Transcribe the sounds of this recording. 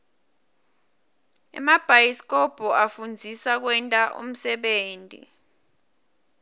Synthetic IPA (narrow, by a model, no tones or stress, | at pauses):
ɛ̰mab̥ʱajiskʼɔb̥ʱɔafund͡zʱisak̬wɛntʼaʔo̰m̩sɛɓeːntʼḭ